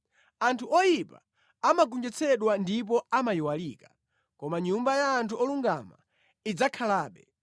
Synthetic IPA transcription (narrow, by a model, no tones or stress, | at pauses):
antʰuɔjipa̰ | amaɡund͡ʒɛt͡sʰɛɗwandip̬ɔamajiwaliːkḁ | kɔmaɲumbajaːntʰuɔluŋɡama̰ | id͡zakʰalaːɓɛ